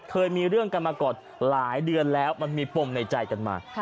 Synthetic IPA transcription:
kʰɤː˧jmiː˧ɾɯ˥˩əŋka˧nmaː˧kɔː˨˩t̪̚ | laː˩˦jdɯ˧ənlɛː˦˥wma˧nmiː˧po˧mna˧jt͡ɕa˧jka˧nma̰ː˧˩

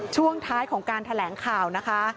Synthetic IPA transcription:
t͡ɕʰu˥˩əŋt̪ʰaː˦˥jkʰɔː˩˦ŋkaː˧nt̪ʰa˧lɛː˩˦ŋkʰaː˨˩wna˦˥kʰa˦˥

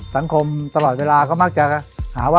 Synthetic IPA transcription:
sa˨˩˦ŋkʰo˧mt̪a˧lɔː˨˩t̪̚weː˧laː˧kʰɔː˥˩ma˥˩k̚t͡ɕa˨˩˥haː˩˦waː˥

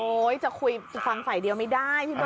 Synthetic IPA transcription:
ʔoː˧˦˥jt͡ɕa˨˩kʰu˧jfa˧ŋfa˨˩jdi˧əwma˥˩jdaː˥˩jt̪ʰiː˥b

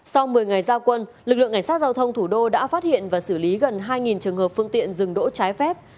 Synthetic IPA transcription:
sa˧wmɨ˨˩əjŋa˨˩jzaː˧wkwə˧nlɨ˨˩k̚lɨ̰˧˨ŋka˧˩ŋsa˦˥t̚zaː˧wt̪ʰə˧wŋ͡mt̪ʰu˧˩ɗo˧ɗa̰ː˧˥faː˦˥t̚hḭ˧˨ənvaː˨˩sɨ˧˩li˨˦ɣə˨˩nɦaː˧jŋi˨˩nt͡ɕɨ˨˩əŋɦəː˨˩p̚fɨ˧əŋt̪ḭ˧˨ənzɨ˨˩ŋɗo̰˧˥t͡ɕaː˨˦jfɛ˦˥p̚

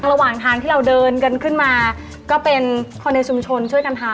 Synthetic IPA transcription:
ŋɾa˧waː˨˩ŋt̪ʰaː˧ŋt̪iː˥˩ɾa˧wdɤː˧nka˧nkʰɯ˥˩nmaː˧ | kɔː˥˩pe˧nkʰɔː˧nːe˧t͡ɕʰu˧mt͡ɕʰo˧nt͡ɕʰu˥˩əjka˧nt̪ʰaː˧

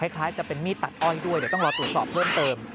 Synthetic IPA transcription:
aː˦˥˩jkʰlaː˦˥jt͡ɕa˨˩pe˧nmiː˥˩t̪ːa˨˩t̪̚ʔɔː˥˩jdu˥˩jdi˨˩˦t̪ɔ˥˩ɾɔː˧t̪ɾu˨˩ət̪̚sɔː˨˩p̚ʰːɤː˥˩mt̪ɤː˧m

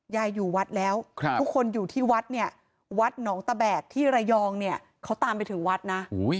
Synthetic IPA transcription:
jaː˧jːuː˨˩wa˦˥t̪̚lɛː˦˥wʰuː˥˩kʰo˧njuː˨˩t̪ʰiː˥˩wa˦˥t̪̚ni˥˩ɐ | wa˦˥t̪̚nɔː˩˦ŋt̪a˧bɛː˨˩k̚t̪ʰiː˥˩ɾa˧jɔː˧ŋni˥˩ɐ | kʰa˦˥wt̪aː˧mpa˧jt̪ʰɯ˩˦ŋwa˦˥t̪̚naː˦˥˦j

